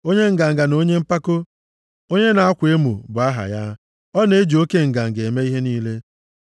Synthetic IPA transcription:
o˦ɲe˦ŋ̩˨ɡa˨ŋ̩˨ɡa˨no˦ɲe˦m̩˦pa˦ko˦ | o˦ɲe˦na˨a˦kʷe˦mṵ˨bʊ˨a˦ɦa̰˨ja˦ | ɔ˦ne˦d͡ʒo˦ke˦ŋ̩˨ɡa˨ŋ̩˨ɡe˨me˦i˦ɦe˦niː˦le˦

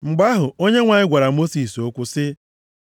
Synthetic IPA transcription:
ŋ͡m̩˨ɡ͡ba˦ɦʊ˨o˦ɲe˦ŋʷa˨ɲɪ˦ɡʷa˨ɾa˨mo˦si˨so˦kʷʊ˦sɪ˦

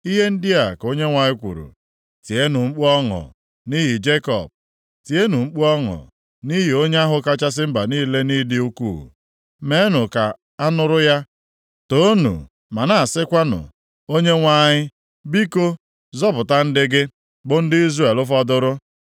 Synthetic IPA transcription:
i˦ɦe˦n̩˦dɪ˦a˨ko˦ɲe˦ŋʷa˨ɲɪ˦kʷṵ˨ɾṵ˨ | ti˨e˦nʊ˨ŋ͡m̩˦k͡pɔ˦ŋʊ̰˨ | ni˦ɦi˨d͡ʒe˦kɔ̰˨p̚ | ti˨e˦nu˨ŋ͡m̩˦k͡pu˦ɔ˦ŋʊ̰˨ | ni˦ɦi˨o˦ɲe˦a˦ɦʊ˨ka˦t͡ʃa˦s̬ɪ˦m̩˦ba˨niː˦le˦ni˦dɪ˦u˦kṵ˦˨ | me˦nʊ˨ka˨ | a˦nʊ˦ɾʊ˦ja˦ | to˦nṵ˨ | ma˨na˦a˨sɪ˦kʷa˦nʊ̰˨ | o˦ɲe˦ŋʷa˦ɲɪ˦ | bi˦ko˦ | zɔ˦pʊ˨ta˦n̩˦dɪ˦ɡɪ˦ | bʊ˦n̩˦dɪ˦i˦zɾe˦˨e˨lʊ˦fɔ˦dʊ˦ɾʊ˦

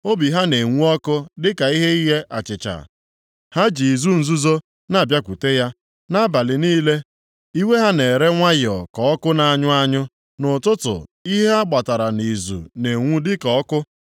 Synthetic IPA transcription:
o˦bi˨ɦa˦ne˨ŋʷu˦ɔ˦kʊ˦dɪ˦ka˨i˦ɦe˦i˦ɦe˦ʔa̰˨t͡ʃɪ˨t͡ʃa̰˨ | ha˦d͡ʒi˨zu˦n̩˨zu˦zo˦ | na˨bja˦kʷu˨te˦ja˦ | na˦ba˨lɪ˨niː˦le˦ | i˦we˦ɦa˦ne˨ɾe˦ŋʷa˦jɔ̰˨kɔ˨ɔ˦kʊ˦na˨˦ɲʊ˦a˦ɲʊ˦ | nʊ˨tʊ˦tʊ̰˨i˦ɦe˦a˦ɡ͡ba˨ta˨ɾa˨ni˨zṵ˨ne˨ŋʷu˦dɪ˦kɔ˨ɔ˦kʊ˦

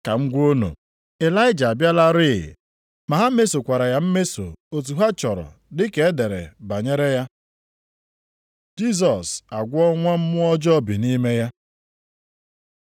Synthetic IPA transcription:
ka˨ŋ̩˦ɡʷo˦no̰˨ | e˨la˦ɪ˦d͡ʒa˨a˨bja˦la˦ɾɪ̰˦˨ | ma˨ɦa˦me˦so˨kʷa˨ɾa˨ja˦m̩˦me˦so̰˨o˨t̬u˨ɦa˦t͡ʃɔ˨ɾɔ̰˨ | dɪ˦ke˨˦e˦de˨ɾḛ˨ba˨ɲe˦ɾe˦ja˦ | d͡ʒi˦s̬ɔ˨sa˨ɡʷʊ˦ɔ˦ŋʷa˦m̩˦mʊ˦ɔ˦d͡ʒɔ˦bi˨ni˦me˦ja˦

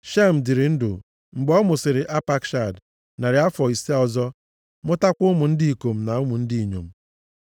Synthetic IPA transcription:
ʃe˦m̩˨dɪ˨ɾɪ˨n̩˦dʊ̰˨ | ŋ͡m̩˨ɡ͡bɔ˦mʊ˨sɪ˨ɾɪ˨ʔa˦pa˦kʃa˨d | na˨ɾɪ˨˦a˦fɔ˨i˨se˦ɔ˨zɔ˦ | mʊ˦ta˦kʷʊ˦mʊ˨n̩˦di˦i˨ko˨m̩˨na˨ʊ˦mʊ˨n̩˦di˦i˨ɲo̰˨m̩˦˨

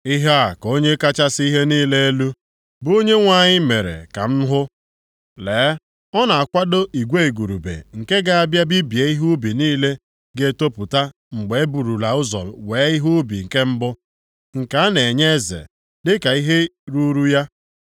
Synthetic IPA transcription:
i˦ɦa˦a˨ko˦ɲe˦ka˦t͡ʃa˦si˦ɦe˦niː˦le˦e˦lu˦ | bʊ˨˦o˦ɲe˦ŋʷa˨ɲɪ˦me˨ɾḛ˨ka̰˨m̩˦ɦʊ˦ | leː˨˦ | ɔ˦na˨a˨kʷa˦do˦ʔi˨ɡʷe˦e˨ɡu˨ɾu˨bḛ˨ŋ̩˨ke˦ɡa˦a˦˨bja˦bi˦bje˨˦i˦ɦu˦bi˨niː˦le˦ | ɡe˦˨to˦pu˨ta˦ | ŋ͡m̩˨ɡ͡be˨e˦bu˨ɾu˨la˨ʊ˦zɔ̰˨weː˨˦i˦ɦu˦bi˨ŋ̩˨ke˦m̩˦bʊ˦ | ŋ̩˨ka˨a˦ne˨ɲe˦zḛ˨ | dɪ˦ka˨i˦ɦe˦ɾu˦ɾu˦ja˦

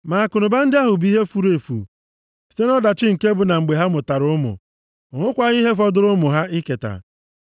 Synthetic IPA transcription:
ma˨a˨kʊ˨nʊ˨ba˦n̩˦dɪ˦a˦ɦʊ˨bi˦ɦe˦fu˦ɾe˨fṵ˨ | si̥˨te˦nɔ˦da˨t͡ʃɪ˦ŋ̩˨ke˦bʊ˨na˨ŋ͡m̩˨ɡ͡be˨ɦa˦mʊ˨ta˨ɾʊ˦ʊ˦mʊ̰˨ | ŋʊ˦kʷa˦ɣi˦ɦe˦f̬ɔ˦dʊ˦ɾʊ˦mʊ˨ɦa˦ʔɪ˦ke˨ta̰˨

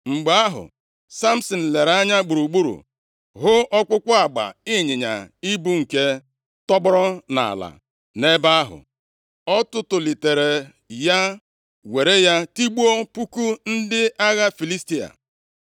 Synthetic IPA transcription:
ŋ͡m̩˨ɡ͡ba˨˦a˦ɦʊ̰˨ | sa˦m̩˦sɔ˨n̩˨le˨ɾa˦ɲa˦ɡ͡bu˨ɾu˨ɡ͡bu˦ɾṵ˨ | ɦʊ˦ʔɔ˦kʷʊ˦kʷʊ˦a˨ɡ͡ba̰˨ɪ˦ɲɪ˨ɲa̰˨i˦bu˦ŋ̩˨ke˦ | tɔ˦bʊ˦ɾɔ˦na̰˨la̰˨ | ne˦ba˦a˦ɦʊ̰˨ | ɔ˦tʊ˦tʊ˨li˨te˨ɾe˨ | ja˦ | we˨ɾe˦ja˦ti˦ɡ͡bu˦o˦pu˦ku˦n̩˦dɪ˦a˦ɣa˦fi˨li˦sti˦a̰˨

